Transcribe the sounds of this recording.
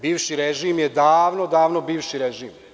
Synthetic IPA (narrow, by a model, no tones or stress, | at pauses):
biːʋʃiɾeʒiːmjed̪aːʋnod̪aːʋnobiːʋʃiɾeʒiːm